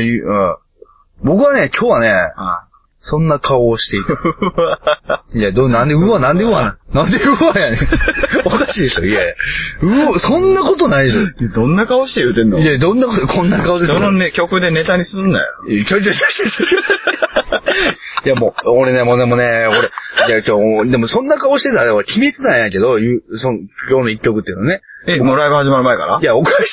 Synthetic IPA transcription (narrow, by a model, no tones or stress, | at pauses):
bo̞kɯ̟βanekʲʰoːβane | sõ̞nːakʰaoɕi̥t̪e̞i | iad̪onãnd̪eɯ̟anãnd̪eɯ̟ananãnd̪eɯ̟ajaneokaɕiːd̪eso̰ieɯ̟asõ̞nːako̞t̪o̞naid̪eɕod̪õ̞nːakaoɕi̥t̪ejɯ̟ːt̪ẽ̞nːoied̪õnːakot̪okʰõ̞nːakaod̪esononkʲo̞kɯ̟d̪e̞ne̞t̪aɲ̟isɨ̃nd̪a̰jo̰kʲoɾit͡ɕainaɕi̥eɕoo | jamooɾenemod̪emo̞neoɾejakod̪e̞mo̞sõ̞nːakaoɕi̥t̪e̞t̪aeβakʲimet͡sɨnaijãŋke̞d̪o̞jɯsokʲoːnoikʲːo̞kɯ̟t̪ːeiɯ̟noaneemoɾaibɯ̟haʑimaɾɯ̟maeka̰ɾa̰jaokaɕ